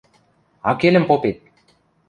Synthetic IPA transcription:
ɑkelɘ̆mpopet̪̚

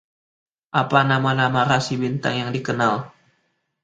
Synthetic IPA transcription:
ʔapanamanamaɾasibint̪a̰ŋjaŋdikənal

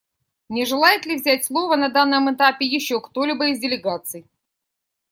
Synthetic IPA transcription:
nʲɪʐɨlˠajɪt̪lʲɪvzʲætʲslˠo̞vənɐd̪anːəmɨt̪apʲɪjɪɕːo̞kt̪o̞lʲɪbəɪzdʲɪlʲɪɡat̪sɨj

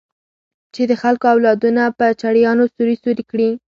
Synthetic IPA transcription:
t͡ʃed̪əxalkoawlɑd̪unapət͡ʃaɽjɑnosuɾisuɾikɽi

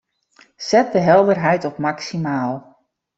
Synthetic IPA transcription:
sɛt̚dəɦɛlˠdərɦɛjtɔpmaksimaːlˠ

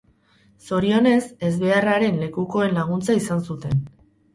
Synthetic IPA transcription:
so̞ɾio̞ne̞se̞zβe̞araɾe̞nle̞kuko̞e̞nlaɣ̞unt͡saisansut̪e̞n

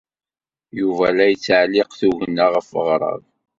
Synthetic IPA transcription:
juvælæjət͡sːʕlɪqθuʝənːaʁəfəʁɾˤɑ̰v

